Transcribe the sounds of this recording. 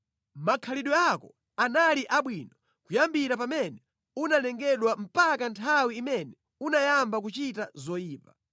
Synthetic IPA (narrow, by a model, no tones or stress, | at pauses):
makʰaliɗwɛakɔ | analiʔaɓwinɔ | kujambiɾapamɛnɛ | unanɛŋɡɛɗwam̩pakantʰawiːmɛnɛ | unajambakut͡ʃitazɔjiːpa